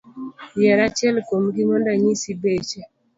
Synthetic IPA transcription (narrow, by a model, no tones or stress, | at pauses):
jɛɾat͡ʃɛlkomɡimɔndaɲisibet͡ʃe